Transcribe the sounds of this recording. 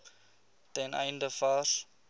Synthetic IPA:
tɛnɛ̰jndəfɑs

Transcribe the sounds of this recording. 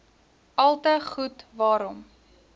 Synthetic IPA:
ɐlˠtəχutvɑːɾɔm

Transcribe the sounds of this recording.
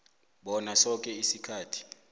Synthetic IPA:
ɓɔnasɔk̬ʼɛisikʰaːtʰi̥

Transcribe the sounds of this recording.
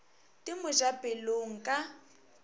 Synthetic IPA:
tʼɪmʊʒabɪloŋ̩kʼa

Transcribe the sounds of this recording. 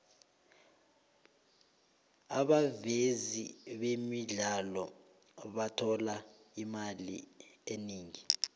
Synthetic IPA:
aɓaveziɓemiɮalɔ | ɓatʰɔlaimalḭeniːŋi

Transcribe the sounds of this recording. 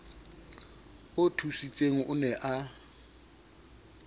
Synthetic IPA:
ʊtʰusit͡sʼeŋ̩ʔʊ̰nɛʔa

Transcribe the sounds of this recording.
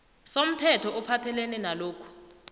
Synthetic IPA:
som̩tʰɛtʰɔʔɔpʰatʰɛlɛnɛnaloːkʰu̥

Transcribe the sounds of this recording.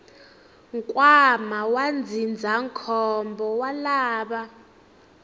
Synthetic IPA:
ŋkʼwamawand͡zʱind͡zʱaŋkʰɔmbʱɔwalaːɓa

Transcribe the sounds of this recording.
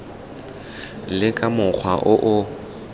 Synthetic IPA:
lɪkʼamʊk͡xʰwaʔʊʔʊ

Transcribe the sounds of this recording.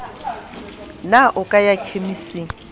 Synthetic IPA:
naʔʊkʼajakʰemisi

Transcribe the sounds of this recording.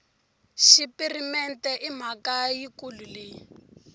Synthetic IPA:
ʃipirimɛntɛʔim̤akajikulule

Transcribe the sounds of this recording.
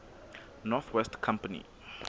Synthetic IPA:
nɔθʰwɛstkʰãmpənḭ

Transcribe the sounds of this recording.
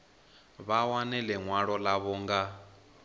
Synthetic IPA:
βawanɛlɛŋwaɺɔlaβɔːŋɡa

